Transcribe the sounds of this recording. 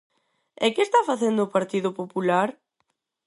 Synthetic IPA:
ɛkɪːst̪afaθend̪ʊːpaɾt̪iðopopulaɾ

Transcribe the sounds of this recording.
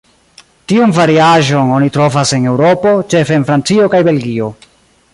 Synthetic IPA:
tionvaɾiaʒo̞no̞nitɾo̞vase̞ne̞wɾopo̞t͡ʃe̞feːnfɾant͡sio̞kajbe̞lɡio̞

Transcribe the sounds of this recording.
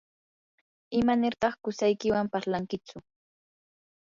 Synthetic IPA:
ɪmanɪɾt̪ɑχkʊsajkɪwampaɾlaŋkɪt͡sʊ

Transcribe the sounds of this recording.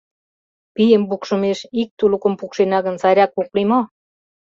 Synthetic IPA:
pijəmpukʃə̆meʃik̚t̪ulukə̆mpukʃenɑɣə̆nsɑɾʲɑkuklimo

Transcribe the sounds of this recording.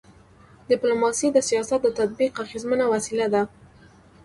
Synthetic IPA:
dɪplumɑsid̪əsijɑsat̪̚d̪ət̪ad̪̚biqaxizmənawasilad̪a

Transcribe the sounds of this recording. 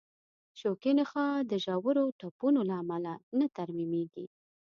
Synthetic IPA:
ʃokenexɑd̪əʒɑwəɾoʈapunolaːmalanat̪aɾmimeɡi

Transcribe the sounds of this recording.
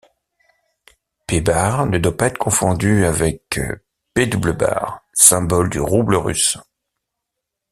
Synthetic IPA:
pebaʁnəd̪wapaɛt̪kɔ̃fɔ̃d̪yavɛk | ped̪ubləba̰ʁsɛ̃bɔld̪yʁubləʁy̰s

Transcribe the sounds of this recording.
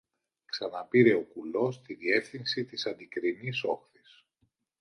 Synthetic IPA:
ksɐnɐpiɾe̞o̞kulo̞st̪iðie̞fθinsit̪isɐnd̪ikɾiniso̞xθis

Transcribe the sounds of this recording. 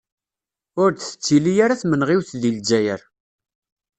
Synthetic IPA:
ʊɾθə̥t͡sːilijaɾaθmənʁiwθðild͡ʒæjəɾ

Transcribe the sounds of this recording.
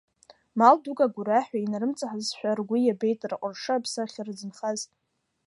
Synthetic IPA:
maldukʼaɡʷuɾaħᶣʷainaɾɨmt͡sʼaħazʃʷᶣarɡʷijabe̞jtʼrqʼʊrʂɨapʰsaχʲarɨd͡zɨnχaz

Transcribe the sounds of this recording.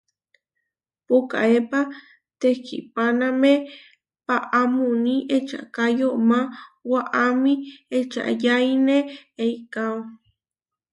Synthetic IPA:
puka̰epa | t̪ekḭpaname | paʔamuniʔet͡ʃa̰kajomãwaʔamiet͡ʃa̰jajneejkawo

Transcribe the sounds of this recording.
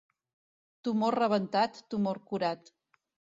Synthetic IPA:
t̪umorrəβ̞ənt̪at̪ːumoɾkuɾat̪

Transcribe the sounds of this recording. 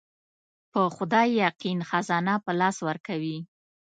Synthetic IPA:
pəxʊd̪ɑjjaqinxazɑnapəlɑswəɾkawi

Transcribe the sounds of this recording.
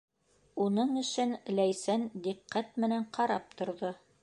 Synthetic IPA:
unɤɴɵ̆ʃɘnlæjsænd̪iqːæt̪̚mɘ̆næɴqʰɑɾɑp̚t̪ŏɾðo

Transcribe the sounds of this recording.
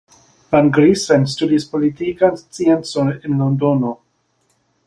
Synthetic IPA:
banɡɾisɛ̃nstudispolitikanst͡siɛnsonɛnlondono

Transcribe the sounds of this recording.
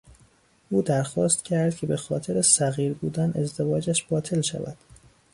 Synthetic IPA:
ʔuːd̪æɾxɒːst̪cʲʰæɾd̪cʰe̞be̞xɒːt̪ʰe̞ɾesæɣiːɾbuːd̪æne̞zd̪e̞vɒːd͡ʒæʃb̥ɒːt̪ʰe̞lʃæ̰væ̰d̪̥

